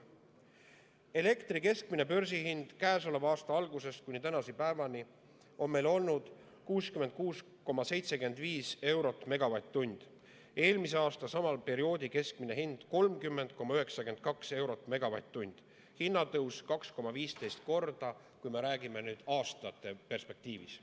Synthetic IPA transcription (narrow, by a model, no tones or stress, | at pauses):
e̞le̞kt̪rike̞sk̚mine̞pø̞ɾsihind̪̥kæːso̞levɑːst̪ɑɑlɡuse̞st̪̚kunit̪ænɑsipæevɑni | ʔo̞nme̞jlo̞lnud̪̥ | kuːskyme̞nd̪̚kuːs | ko̞mːɑse̞jt̪se̞ke̞nd̪̥viːse̞wɾo̞t̪ːˑme̞ɡ̥ɑvɑjt̪ːunʲd̪̥ | e̞ːlmiseɑːst̪ɑsɑmɑlpe̞ɾio̞ːd̪ike̞sk̚mine̞ɦind̪̥ko̞lmkymːe̞nd̪̥ko̞mɑyɦe̞ksɑke̞nd̪̥̚kɑkse̞wɾo̞t̪ːˑme̞ɡ̥ɑvɑ̰jt̪ːunʲd̪̥ | hinːɑt̪ɤwskɑksko̞mːɑviːst̪e̞jst̪̚ko̞rd̪̥ɑ | kujme̞ɾæːɡ̥ime̞nyːd̪̥ɑːst̪ɑjɑt̪ːˑe̞pe̞rspe̞k̚t̪iːvḭs